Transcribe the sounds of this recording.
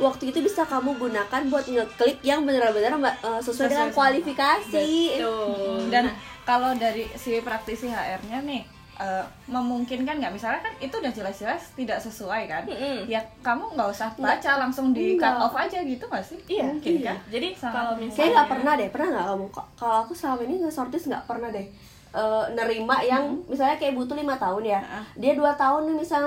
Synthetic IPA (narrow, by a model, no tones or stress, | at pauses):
wak̚t̪uit̪ubisakamubunakanbuat̪̚iɲat̪̚kəlɪk̚jaŋbənəɾabənəraəsəsuadəŋankualifikasiət̪ʊdankalodaɾisipɾak̚t̪isiɦaʔɛrɲanɪh | ʔəː | məmuŋkɪnkanɡaʔmisalɲakanit̪udahd͡ʒəlasd͡ʒəlast̪idaʔsəsuajkan̩jakamuŋɡausat̪at͡ʃalaŋsʊŋdikaɔfad͡ʒaɡit̪umasɪijakinad͡ʒadialomiskajaŋɡaʔpərnahdɛhpərnahŋɡa̰ʔkamuŋkakaloakusəlamainiŋəsɔrt̪ɪsŋɡa̰ʔpərnahdɛh | ʔəːnəɾimaʔjaŋmisalɲakajabut̪ulimat̪aʊnjadiaduat̪aʊnimisalɲ